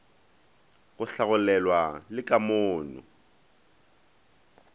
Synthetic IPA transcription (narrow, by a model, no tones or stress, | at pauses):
ɣʊɬaɣʊlɛlwalɪkʼamʊːnʊ̰